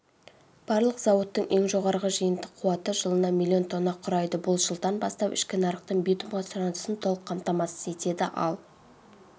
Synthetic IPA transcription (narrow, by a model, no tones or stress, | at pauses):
b̥ɑɾlˠəqzɑwot̪ːəɴʔe̞ŋʒo̞ʁɑɾʁəʒəjənd̪əqʰʊwɑt̪əʒəlˠənɑmʲilʲːio̞nt̪ʰo̞nːɑqʰːʊɾɑjd̪əbʊlˠʒəlˠd̪ɑnbɑst̪ɑpɪ̰ʃkʲɪnɑɾəqt̪əɴbit̪umʁɑsʊɾɑnd̪əsənt̪ʰo̞lˠəqʰːɑmt̪ɑmɑsəze̞t̪e̞d̪ɪʔɑ̰lˠ